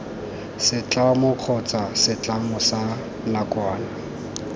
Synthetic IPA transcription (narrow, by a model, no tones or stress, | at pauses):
sɪt͡ɬʼamʊq͡χʰɔt͡sʼasɪt͡ɬʼamʊsa | nakʼwaːna